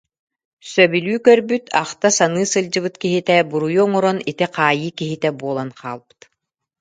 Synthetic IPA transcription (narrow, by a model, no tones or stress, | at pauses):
sœbylʲyːkœɾbyt̪ʰaχt̪asanɯːsɯld͡ʑɯbɯt̪kiɦit̪ɛbuɾujuɔŋɔɾɔnit̪iqaːjɯːkiɦit̪ɛbuɔlˠanqʰa̰ːlˠbɯ̥t̪